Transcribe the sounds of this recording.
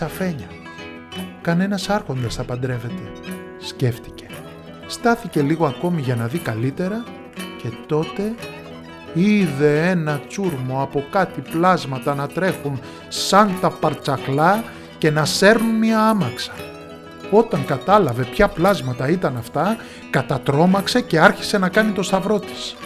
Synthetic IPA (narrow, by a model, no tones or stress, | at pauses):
sɐfe̞ɲɐ | kɐne̞nɐsɐɾxo̞nd̪ɐsθɐpɐnd̪ɾe̞ve̞t̪e̞ | sce̞ft̪i̥ce̞̥ | st̪ɐθice̞liɣo̞ɐko̞miʝɐnɐðikɐlit̪e̞ɾɐ | ce̞t̪o̞t̪e̞ | iðe̞e̞nɐt͡suɾmo̞ɐpo̞kɐt̪iplɐzmɐt̪ɐnɐt̪ɾe̞xun | sɐnt̪ɐpɐɾt͡sɐklɐ | ce̞nɐse̞ɾnunmiɐɐmɐksɐ̥ | o̞t̪ɐŋkɐt̪ɐlɐve̞pçɐplɐzmɐt̪ɐit̪ɐnɐft̪ɐ | kɐt̪ɐt̪ɾo̞mɐkse̞ce̞ɐɾçi̥se̞nɐkɐnit̪o̞st̪ɐvɾo̞t̪i̥s